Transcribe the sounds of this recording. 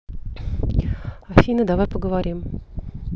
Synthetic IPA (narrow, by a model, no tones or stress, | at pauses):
ɐfʲinəd̪avajpəɡəvaɾʲim